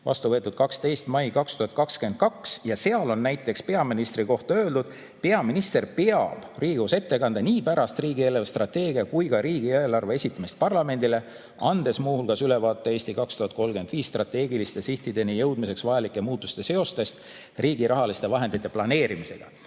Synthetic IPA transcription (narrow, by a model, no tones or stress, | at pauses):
vɑ̰st̪uvɤt̪ːˑud̪̥̚kɑkst̪e̞jst̪mɑjkɑkst̪uhɑt̪̚ˑkɑkskyen̚kɑksjɑse̞ɑlo̞nnæjt̪ˑːe̞kspe̞ɑminist̪riko̞ht̪ɑø̞ːld̪ud̪̥ | pe̞ɑminist̪e̞rpeɑb̥riːɡuse̞t̪ːe̞kɑnd̪̥eniːpæɾɑst̪riːɡie̞levst̪rɑt̪ːe̞ːɡ̥iɑkujɡɑɾiːɡ̥ieːlɑrve̞e̞sʲit̪ːˑɑmist̪̚pɑrlɑme̞nd̪̥ile̞ | ɑnd̪̥e̞smuːhulkɑsyle̞vɑːt̪ːˑeeːsʲt̪ikɑkst̪uhɑt̪̚ˑko̞lɡe̞nd̪viːsːt̪rɑt̪ˑe̞ːɡilist̪e̞siht̪id̪e̞nijɤ̞wd̪mise̞ksvɑjɑlikːˑe̞muːt̪ːˑust̪e̞se̞o̞st̪e̞st̪ | riːɡ̥iɾɑɦɑlist̪e̞vɑɦe̞nd̪it̪ːˑe̞plɑne̞ːɾimise̞ɡ̥ɑ̰